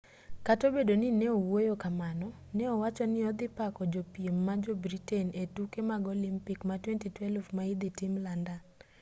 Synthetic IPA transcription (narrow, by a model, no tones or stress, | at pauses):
katobedonɪnɛowojokamanɔ | nɛɔwat͡ʃɔnɪɔd̪ɪpakɔd͡ʒopiemːad͡ʒobɾitenetukemaɡolimpikmatwɛntitwɛlvmaid̪ɪtimlandan